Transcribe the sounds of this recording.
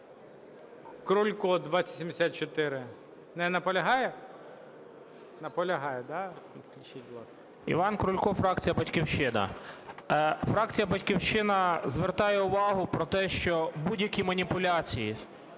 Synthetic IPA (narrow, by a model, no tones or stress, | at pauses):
kɾʊlʲkɔd̪ʋɑt͡sʲɐt̪ʲsʲimd̪esʲat̪̚t͡ʃɔt̪ɪɾɪ | nɛnɐpɔlʲɐɦɑjɛ | nɐpɔlʲɐɦɑjɛd̪ɑfklʲʊt͡ʃit̚ʲblˠɑs | ḭʋɑnkɾʊlʲkɔfɾɑk̚t͡sʲijɐbɐtʲkʲiwʃɪnɐ̰ | fɾɑk̚t͡sʲijɐbɐtʲkʲiwʃɪnɐzʋert̪ɑjɛʊʋɑɦʊpɾɔt̪ɛʃt͡ʃɔbudʲjɐkʲimɐnʲipʊlʲat͡sʲiji